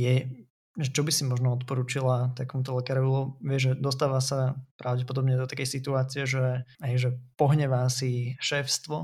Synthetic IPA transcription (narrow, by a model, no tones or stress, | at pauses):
jɛ | ʒɛt͡ʃɔbisimɔʒnɔɔt̪pɔɾuːt͡ʃilat̪akɛmut̪ɔlɛkaːɾɔʋilɔʋɪɛʒɛd̪ɔs̬t̪aːʋasapɾʔaʊɟɛpɔd̪ɔbɲɛd̪ɔt̪akɛjsit̪uaːt͡siɛʒɛɦɛjʒɛpɔɦɲɛʋasiʃɛːfst̪ʋɔ